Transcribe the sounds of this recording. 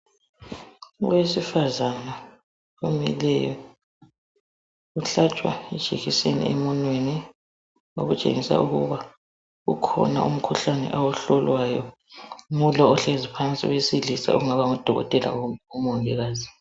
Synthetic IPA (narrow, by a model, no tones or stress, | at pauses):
wwesifazana | umɛ̰lɛjɔ | uɬat͡ʃʼwa̰ɛd̥ʒ̥ʱiɣisenḭɛmɔnweni | o̰ɣut͡ʃʼḛŋisa̰uɣuβa | ɣṵkʰɔ̰na̰ʔum̩kʰuɬanɛ̰ʔawɔɬɔlwajɔ | mulɔɔɬezipʰant͡sʼḭɣwesilisa̰uŋaβaŋɔd̥ʱɔɣɔ̰tʼɛlʔa̰umɔŋɛɣaːzi